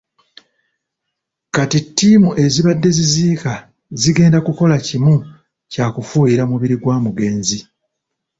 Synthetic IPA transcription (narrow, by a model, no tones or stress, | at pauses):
katitːiːmuʔe̞ziβadːe̞ziziːka | ziɡe̞ːndakuko̞lacimu | cakufuːjiɾamuβiɾiɡwaːmuɡe̞ːnzi